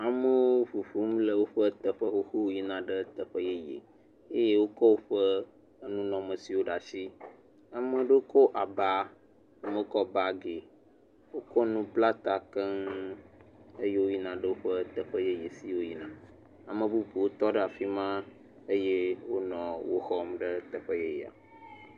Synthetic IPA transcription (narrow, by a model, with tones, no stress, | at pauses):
a˨mə˦wo˦o˦ɸu˨ɸu˦mlə˦˨wo˦ɸə˦t̪ə˨ɸə˦xo˦xo˦wo˦ji˦nã˨ɖə˦t̪ə˨ɸə˦je˦jḛ˨ | e˦je˦wo˦kɔ˦wo˦ɸə˦ | nũ˦nɔ̃˨mə̃˨si˨wo˦ɖa˨si˦ | a˨mə̃˨ɖə˦o˦kɔ˦ʔa˨ba˦ | a˨mə̃˦o˦kɔ˦ba˨ɡe˨ | wo˦kɔ˦nũ˦pla˦t̪a˨kə˦ŋ | ə˦je˦wo˦ji˦nã˨ɖə˦wo˦ɸə˦t̪ə˨ɸə˦je˦je˨si˦wo˦ji˦nã˨ | a˨mə̃˨bu˦ɸu˨wo˦t̪ɔ˦ɖə˦a˨fi˦mã˦ | ə˦je˦wo˦nɔ̃˨wo̰˦xɔ˦mɖə˦t̪ə˨ɸə˦je˦ja̰˨